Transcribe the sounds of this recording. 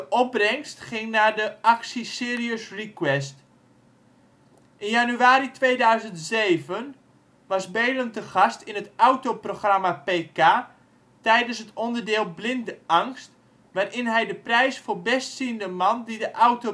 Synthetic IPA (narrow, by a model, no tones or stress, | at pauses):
dəʔɔb̚brɛŋstχɪŋnaːdəʔaksisɪːriəsrikwɛst | ʔɪnjanyaːɾitʋeːdœɥzəntsejvən | ʋɑsbejləntəχɑstɪnətawtoproχramapeːkaː | tɛjdənsɦətɔndərdɪːlˠblɪndəʔɑŋst | ʋaːrʔɪnɦɛjdəprɛjsfʊːrbɛstsiəndəmɑndidəʔawto